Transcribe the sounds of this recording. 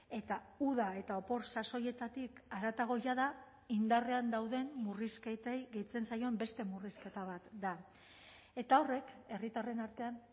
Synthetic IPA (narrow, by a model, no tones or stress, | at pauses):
e̞t̪auðae̞t̪ao̞po̞ɾsaso̞je̞t̪at̪ikaɾat̪aɣ̞o̞jaða | ind̪are̞and̪awðe̞mːurisket̪ejɣe̞jt͡se̞nsajo̞embe̞st̪e̞muriske̞t̪aβ̞at̪d̪a | e̞t̪ao̞re̞ke̞rit̪are̞naɾt̪e̞an